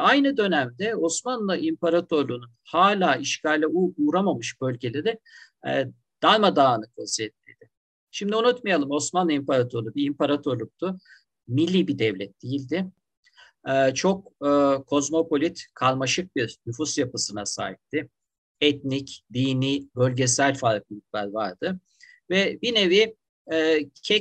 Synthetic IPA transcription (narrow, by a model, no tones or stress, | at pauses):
ajnɯd̪ø̞næmd̪ɛo̞smanlˠaʔimpaɾat̪ʰø̞ɾlˠununhaːlʲaːiʃcʰalʲːɛuuɾamamɯʃb̥ø̞lʲɟelʲeɾɪ | ɛ̰ | d̪̥alʲˠmad̪aːnɯkʰasijɛt̪̚mḭjd̪̥ɪ | ʃimd̪iunut̪majalˠɯmo̞smanlˠaimpʰaɾat̪ʰøɾlˠubiimpaɾat̪ʰøɾlˠuk̚t̪ʰʊ | milʲːiːbid̪ɛvlʲɛt̪̚d̪̥ijilʲd̪ɪ | ɛːt͡ʃʰo̞k̚ːkʰːo̞zmo̞po̞lʲit̪kʰalˠmaʃɯk̚biɾnyfusjapɯsɯnasa̰ːit̚t̪ːɪ | ɛt̪̚nicd̪iːniːbø̞lʲɟesælʲfaɾk̚lˠɯit̪̚bæɾvaɾd̪ɯ | vɛbine̞vi | ɛːcʰɛ